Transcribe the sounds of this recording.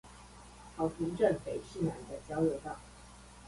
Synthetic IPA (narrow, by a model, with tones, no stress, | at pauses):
hɑ˨˩ʊpʰi˧˥ŋʈ͡ʂə˥˨ŋpe˨˩ɪʂ̩˥˩na˨˧˥nd̪ə˥˨t͡ɕjɑ˥ʊljo˧˥ʊt̪ɑ˥˩ŋ